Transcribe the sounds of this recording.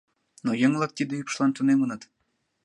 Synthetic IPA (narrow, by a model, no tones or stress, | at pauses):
nojəŋlˠək̚t̪id̪ə̆jypʃlˠɑnt̪unemənət̪